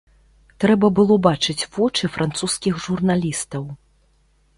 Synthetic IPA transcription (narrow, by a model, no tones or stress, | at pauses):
t̪ɾɛbɐbɨlˠɔbat͡ʂɨt͡sʲvɔt͡ʂɨfɾʔant̪suskʲixʐurnalʲist̪ɐw